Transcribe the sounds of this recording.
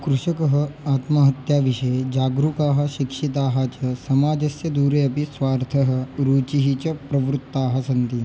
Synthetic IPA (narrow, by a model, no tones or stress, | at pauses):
kɾuʂɐkɐɦɐaːt̪mɐɦɐt̪jaʋiʂɐed͡ʒaːɡɾukaːɦɐ̆ɕikʂit̪̬aːɦat͡ɕɐsɐmaːd͡ʑ̪ʱɐsjɐd̪uːɾeɐpisʋaːɾt̪ʰɐɦə̆ɾuːt͡ʃiɦit͡ɕɐpɾɐʋɾut̪ːaːɦɐsɐnt̪i